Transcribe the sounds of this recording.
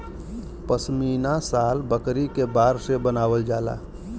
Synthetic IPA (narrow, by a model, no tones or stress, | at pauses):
pəsminasaːlbəkɾikebaːɾsebənaːwəld͡ʒaːla̰